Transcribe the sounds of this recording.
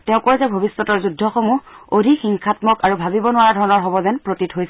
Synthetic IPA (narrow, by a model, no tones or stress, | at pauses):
tɛʊ̃kɔɹzɛbʱobisːɔtɔɹzudʱːɔxomuodʱixiŋkʰatmɔkaɹubʱabibɔnʊaɹadʱɔɹɔnɔɹɦɔbɔzɛnpɹotitɦojsɛ